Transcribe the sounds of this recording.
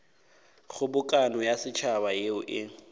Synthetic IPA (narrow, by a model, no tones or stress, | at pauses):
χʊbʊkʼanɔjasɪt͡ʃʰabajeʊʔɪ